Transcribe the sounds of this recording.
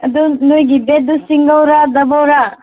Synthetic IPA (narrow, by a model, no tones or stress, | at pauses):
ɐd̪unojɡibed̪usiŋɡawɾadɐbawɾa